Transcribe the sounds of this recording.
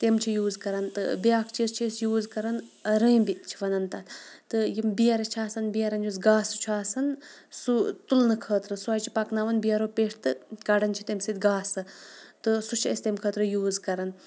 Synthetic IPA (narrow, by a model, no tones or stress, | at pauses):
t̪emt͡ʃʰijuːzkɐɾɐnt̪ɨ̰bijaːkʰt͡ʃʰest͡ʃʰesjuːzkɐɾɐnɾəjbit͡ʃʰiʋɐnɐnt̪ɐt̪t̪ɨjimbijɐɾɐt͡ʃʰaːsɐnbijɐɾɐnd͡ʒusɡaːsut͡ʃʰaːsɐnsut̪ulnɨkʰəːt̪ɾɨsuɐːjt͡ʃʰi̥pɐknaʋɐnbijɐɾoːpeʂʰt̪ɨkɐɖɐnt͡ʃʰi̥t̪emsit̪ʲɡaːsɨt̪ɨsut͡ʃʰest̪emkʰəːt̪ɾɨjuːzkɐɾɐn